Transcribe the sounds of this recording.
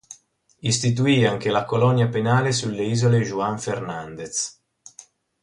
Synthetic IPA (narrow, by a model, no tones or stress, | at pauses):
ist̪it̪̬uiːaŋk̟elakolɔnjapenaːlesulːeiːzoleʒuaɱfernand̪et̪s